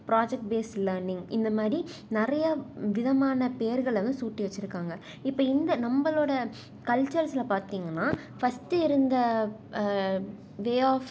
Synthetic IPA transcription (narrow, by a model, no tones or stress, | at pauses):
pɪɾaːd͡ʒɛk̚ʈ̚beːslɐːɾnɪŋɡɪnd̪ɐmaːd̪ɾinɪɾɐjɐʋɪðɐmaːnɐpejɐɾɣɐɭɐɾɐnd̪ɯsuːʈːiʋɐt͡ʃːɪɾɯkːaːŋɡɐ | ɪpːoːɪnd̪ɐnɐmbɐloːɽɐ | kɐɭt͡ʃːɐɾsɪlɐpaːɾt̪iːŋɡɐnːaː | fɐstɯɪɾɯnd̪ɐ | ʋeːaːf